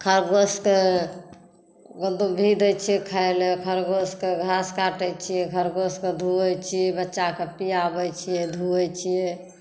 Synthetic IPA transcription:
kʰəɾɡoske | ɡəld̪ubʱid̪ət͡ʃʰiɛkʰəelekʰəɾɡoskeɡʱaskaʈət͡ʃʰijɛɡʱəɾɡosked̪ʱuət͡ʃʰijɛbətːʃakepijabɛt͡ʃʰijed̪ʱuɛt͡ʃʰije

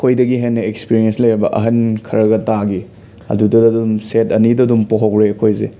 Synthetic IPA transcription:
kʰojdɐɡiɦenːɐekspiɾienslejɾabɐʔɐ̰ɦɐnkʰɐɾɐɡɐtaɡi | ɐ̰dudɐdɐdumsetɐnidɐdumpoɦokɾeɐkʰojze

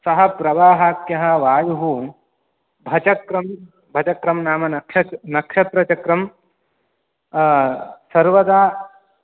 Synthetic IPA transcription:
sɐɦɐ̆pɾɐʋaːɦaːkjɐɦɐ̆ʋaːjuɦu | bʱɐt͡ʃɐkɾɐm | bʱɐt͡ʃɐkɾɐmnaːmɐnɐkʂɐnɐkʃɐt̪ɾɐt͡ʃɐkɾɐm | sɐɾʋɐd̪aː

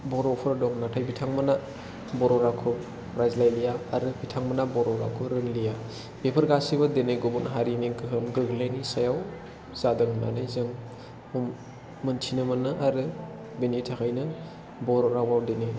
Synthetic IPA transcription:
bɔɾɔpʰɯɾdɔŋnatʰajbitʰaŋmɯna | bɔɾɔɾakʰɯ | ɾazlajlijaaɾɯbitʰaŋmanabɔɾɔɾa̰kʰɯɾɯŋlija | b̥epʰɯɾɡasibɯdeneɡobunɦaɾiniɡɯɦɯmɡɯɡlajnisajaw | z̥adɯŋna̰najzɯŋ | umː | ɯntʰinɯmɯnɯʔaɾɯ | benitʰakʰajnɯ | bɔɾɔɾawawdene

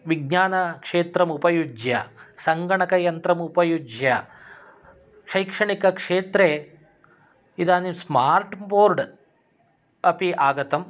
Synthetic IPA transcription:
ʋiɡ̚ɲaːnɐkʂeːt̪ɾɐmupɐjud͡ʒjɐsɐŋɡɐɳɐkɐjɐnt̪ɾɐmupɐjud͡ʒjɐ | ʃɐjkʂɐɳikɐkʂeːt̪ɾeː | id̪aːnimsmaːɾʈboːɾɖ | ɐpiʔaːɡɐt̪ɐm

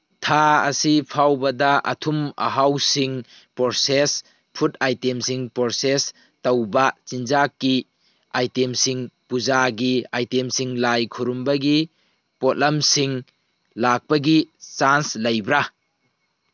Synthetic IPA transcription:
tʰaɐ̰sipʰawbɐdɐʔɐ̰tʰumɐ̰ɦawsiŋ | poɾses | pʰut̚ajtemsiŋpoɾses | tɐwbat͡ʃind͡ʒakːi | ajtemsiŋpuzaɡiajtemsiŋlajkʰuɾumbɐɡi | pot̚lɐmsiŋ | lak̚pɐɡit͡ʃanslɐjbɾa

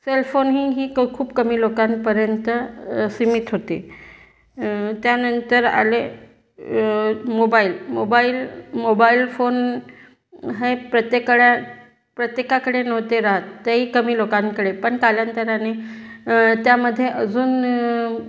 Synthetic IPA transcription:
selfonɦiːɦiːkʰuːbkəmiːlokanpəɾjənt̪əsimit̪ɦot̪ḛ | t̪janənt̪əɾa̰le | mobailmobailmobailfon | ɦepɾət̪jekəɽja | pɾət̪jekakəɽenəʋt̪eɾaɦat̪ːaɦiːkəmiːlokaŋkəɽepəɳkalənt̪əɾane | t̪jaməd̪ʱːjeʔəd͡zuːn

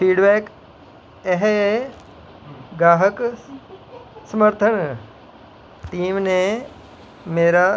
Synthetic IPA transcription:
fiːɖbɛːk | eɦe | ɡɾaːɦək | səməɾt̪ʰəɳ̃ | ʈiːmnẽ | meːɾa

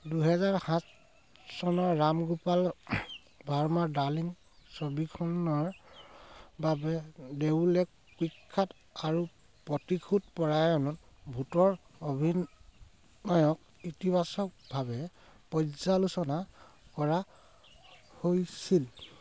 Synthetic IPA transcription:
duɦɛzaɹhãs | sɔnɔɹːamɡupal | bʱaɹmaɹdalin | sobikʰɔnɔɹ | babɛdewlɛk | kikʰːat | aɹu | pɔtikʰut̚pɔɹajɔnɔt | bʱutɔɹobʱinː | ɔjɔk̚ | itibasɔk̚bʱabɛ | pɔzalusɔnakɔɹa | hojsil

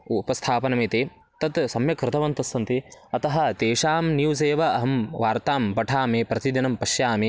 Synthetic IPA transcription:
upɐst̪ʰaːpɐnɐmeːt̪eː | t̪ɐt̪sɐmjɐkɾɪt̪ɐʋɐnt̪ɐsːɐnt̪eɐt̪ɐɦɐ̆t̪eːʂaːmnjuːz̬eːʋɐɐɦɐmʋaːɾt̪aːmbɐʈʰaːmeːpɾɐt̪id̪jɐnɐmpɐʃjaːmeː

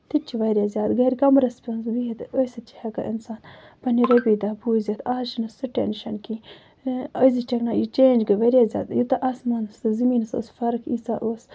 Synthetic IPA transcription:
t̪it͡ʃʰːiʋɐɾjaːzjaːd̪ɡɐɾʲkɐmɾɐspʲonsbiit̪osɐt͡ʃi̥hɐkɐ̰ʔinsaːn | pɐniɾɐbid̪abuːzʲɐt̪ʰaːʃinɐsɨʈʲḛnʃɐnki | əzit͡ʃɐknaːjit͡ʃeːnd͡ʒɡɐʋɐɾʲjazʲja̰ːd̪jut̪ɐʔasmaːnɨsɨzimiːnɨso̰ːsfɐɾkʰḭːsaʔoːs

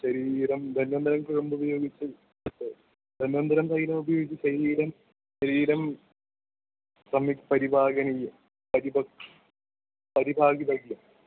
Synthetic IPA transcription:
ɕɐɾiːɾɐmd̪ʱɐnʋɐnd̪ɐɾɐmkuɻɐmbubɐjo̞ːɡit͡ɕːɨ | d̪ʱɐnːʋɐnd̪ɐɾɐmsɐjiːɾɐmubɐjo̞ːɡit͡ɕːɨɕɐɾiːɾɐm | ɕɐɾiːɾɐm | sɐmikpɐɾibʱaːɡɐnijɐ | pɐɾibɐk | pɐɾibʱaːɡiðɐɡjɐm

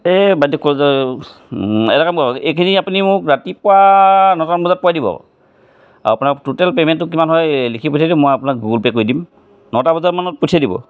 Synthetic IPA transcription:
ɛbadɔkːɔz | ɛ̰ɾakamkɔɔejkʰiniapunimʊkɹatipʊwanɔtanbɔzat̚pɔadibɔ̰ | a̰wapunaktutɛlpemɛntːʊkimanɦɔjlikʰipotʰjadimojapunak̚ɡuɡlpɛkoɹjdim | nɔtabɔzaɹmanɔt̚potʰiadibɔ̰

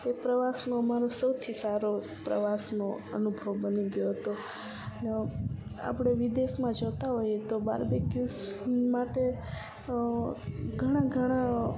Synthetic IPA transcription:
t̪epɾəʋasnõəmaɾosəwt̪ʰisaɾo | pɾə̰ʋasnoə̰nubʱəʋbəniɡjoɦət̪o | nea̰pɽeʋid̪esmãd͡ʒət̪aɦojet̪oba̰ɾbekjus | maʈe | ɡʱəɽ̃ãɡʱəɽ̃a

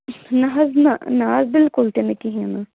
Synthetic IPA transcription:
naːznanaːzbɪlkʊlt̪enekɪɦĩãnaː

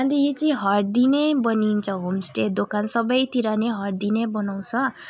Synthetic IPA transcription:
and̪ijet͡siĩɦʌrd̪inejbʌnint͡sʰʌɦomsʈed̪okʰansʌbʌjt̪iɾaneɦʌʈd̪inejbʌnaw̃t͡sʰʌ

